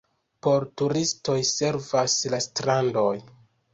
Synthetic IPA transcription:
po̞ɾtuɾisto̞jse̞ɾvaslastɾando̞j

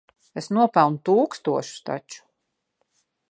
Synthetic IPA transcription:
esnuɔpɛlˠnut̪uːkst̪uɔʃu̥st̪a̰t͡ʃu̥

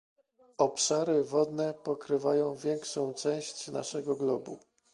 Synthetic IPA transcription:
ɔpʂaɾɘvɔd̪nɛpɔkɾɘvajɔ̃w̃vʲjɛŋkʂɔ̃w̃t͡ʂɛ̃w̃ɕt͡ɕna̰ʂɛɡɔɡlɔbṵ

